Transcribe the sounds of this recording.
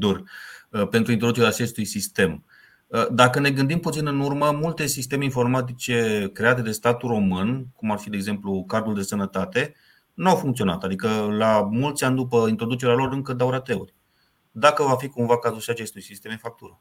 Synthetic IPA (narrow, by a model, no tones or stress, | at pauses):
d̪urpe̞nt̪ɾuint̪ɾod̪ut͡ʃeɾeaːt͡ʃe̞st̪ujsist̪e̞m | əd̪akəne̞ɡɨnd̪imput̪sinɨnurməmult̪e̞sist̪e̞meinfo̞rmat̪̬it͡ʃe̞kɾe̞at̪e̞d̪e̞st̪at̪uro̞mɨnkumarfid̪eɡze̞mplukard̪uld̪e̞sənət̪at̪e̞ | nuawfuŋkt̪sio̞na̰t̪ad̪ikəlamult̪sʲanʲd̪upəint̪ɾo̞d̪ut͡ʃe̞ɾealo̞ɾɨŋkəd̪awɾat̪e̞ṵrʲ | d̪akəvafikumvakazulʃiat͡ʃe̞st̪ujsist̪e̞minfak̚t̪uɾə